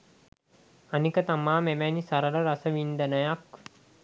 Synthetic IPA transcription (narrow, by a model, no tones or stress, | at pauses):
anikət̪amaːmemænisaɾələɾasəʋind̪ənəjak